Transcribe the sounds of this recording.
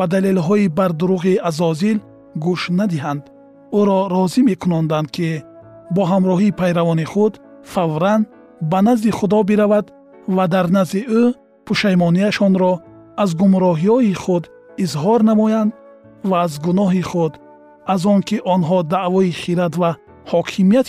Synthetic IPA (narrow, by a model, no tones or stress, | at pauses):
b̥ad̪alelɦɔibaɾd̪uɾuɣiazɔzil | ɡuʃnad̪iɦand̪ | uɾɔɾɔzimekʰunɔnd̪and̪̚kʰi | bɔɦamɾɔɦipʰajɾavɔniχud̪ | favɾan | banazd̪iχud̪ɔbiɾavad̪ | vad̪aɾnaziʔu | pʰuʃajmɔniaʃɔnɾɔ | azɡumɾɔɦiɔiχud̪ | izɦɔɾnamɔjand̪ | vaːzɡunɔɦiχud̪ | azɔŋkʰiʔɔnɦɔd̪aʔvɔiχiɾat̪va | hɔkʰimijat̪